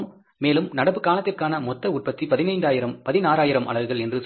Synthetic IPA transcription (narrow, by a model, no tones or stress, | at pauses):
m | meːlɯmnɐɽɐpɯkːaːlɐt̪ːɪrkaːnɐmɔt̪ːɐʊʈ̚pɐt̪ːipɐðɪnɐɪnd̪aːjɪɾɐmpɐðɪnaːɾaːjɪɾɐmʔɐ̰ɭɐʋɯɣɐɭɛndrɯs